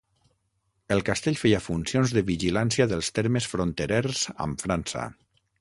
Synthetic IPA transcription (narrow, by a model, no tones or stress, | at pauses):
əlˠkast̪eʎfejafunsionzðəβiʒilansijaðəlˠst̪ɛɾmesfɾont̪eɾɛrz̥a̰mfɾansa̰